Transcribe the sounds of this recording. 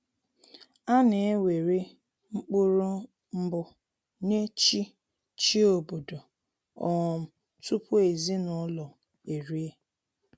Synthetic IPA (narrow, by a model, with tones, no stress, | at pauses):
a˦ne˨e˦we˨ɾi˦ | ŋ͡m̩˦k͡puʊ˦ɾu˦ | m̩˦bʊ˦ | ne˦t͡ʃi˦ | t͡ʃi˦o˨bo˨do˨ | ɔ˨m̩˨ | tu˦pʰʊ˦e˨zi˦nɔ˦lɔ˨ | e˨ɾi˦e˦